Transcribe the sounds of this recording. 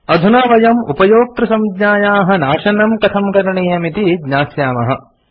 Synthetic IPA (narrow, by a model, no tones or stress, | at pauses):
ɐd̪ʱunaːʋɐjɐmupɐjoːk̚t̪ɾɐsɐmɡɲaːjaːɦɐ̆naːʃɐnɐmkɐt̪ʰɐmkɐɾɐɳeːjɐmit̪idɲaːsjaːmɐɦɐ